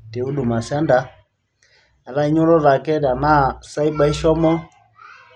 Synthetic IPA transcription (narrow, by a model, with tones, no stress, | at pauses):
tɛ˨u˦ɗu˨ma˨sa˦nda˦ | a˨la˦i˦ɲɔ˦ɾɔ˦ɾa˨kɛ˦da˨na˦˨sa˦i˦ɓa˦i˦ʃɔ˦mɔ˦